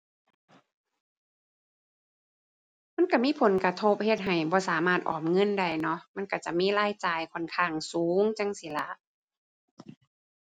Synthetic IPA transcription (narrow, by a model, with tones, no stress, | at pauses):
ma˧˥˨nka˧˩miː˧˥˨pʰo˨˦nka˧t̪ʰo˧p̚he˧˩t̪̚ɦa˨˩jbɔː˧˦saː˨˦maː˧˩t̪̚ʔɔ̰ː˨˩p̚ŋɤ˧˥˨nda˧˩jnɔ˧˦˥ma˧˥˨ka˧˩t͡ɕa˧˩miː˧˥˨laː˧˥˨jt͡ɕaː˨˩jkʰɔ˧˩˨nkʰaː˧˩ŋsuː˨˦ŋt͡ɕa˧˥˨ŋsi˧˦la˧˦ʔ